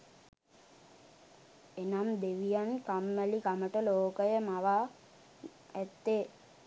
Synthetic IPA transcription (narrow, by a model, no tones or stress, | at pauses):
enamd̪eʋijankamːəlikaməʈəloːkəjəmaʋaː | æt̪ːeː